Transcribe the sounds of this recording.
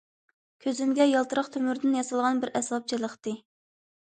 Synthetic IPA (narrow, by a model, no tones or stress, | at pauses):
kʲʰøzymɡʲɛjɑlˠt̪ɨɾəχt̪ʰømyɾd̪ɪnjɑsɑlˠʁɑnbɪɾɛsɑp̚t͡ʃʰilˠəχt̪ɨ